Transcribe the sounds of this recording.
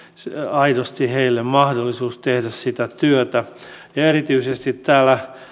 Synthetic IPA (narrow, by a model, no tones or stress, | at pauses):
sɑidost̪iheilːemmɑhdolːisuːst̪ehdæssit̪æt̪yøt̪æ | erit̪yisest̪it̪ːæːlːˑæ